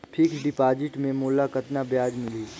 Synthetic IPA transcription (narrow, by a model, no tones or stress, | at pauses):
pʰikɖɪpaːd͡ʒɪʈmẽmoːlakɐt̪nabjaːd͡ʒmɪliː